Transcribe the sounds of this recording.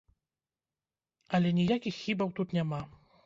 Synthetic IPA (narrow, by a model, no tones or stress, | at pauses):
ɐlʲɛnʲijakʲixːʲibɐwt̪ut̪nʲama